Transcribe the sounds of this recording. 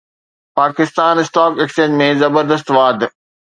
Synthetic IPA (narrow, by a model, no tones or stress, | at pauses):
paːkɪst̪aːnɪsʈaːkeːkst͡ɕẽːɲd͡ʑmẽzɐbəɾd̪əst̪ʋaːd̪